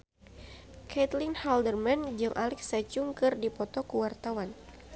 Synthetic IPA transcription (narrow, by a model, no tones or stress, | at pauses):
kʰɛt̪linhaldərmand͡ʒɨŋʔalɛksat͡ʃuŋkɨrdipɔt̪ɔkuwart̪awan